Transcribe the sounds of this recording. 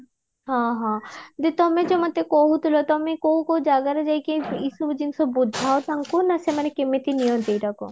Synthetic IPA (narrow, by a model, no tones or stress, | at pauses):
ɦãɦãd̪et̪ɔmed͡ʑɔmat̪ekoɦut̪ulot̪ɔmekoɦukoud͡ʒaɡaɾad͡ʑajkeisubd͡ʑinsobbudʱaot̪aŋkunasemanekemet̪inijod̪ejɾako̰